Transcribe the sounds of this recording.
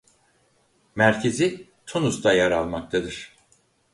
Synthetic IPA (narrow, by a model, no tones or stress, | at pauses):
mæɾcʰe̞zi | t̪ʰunusd̪ajaɾalˠmak̚t̪ʰad̪ɯɾ̥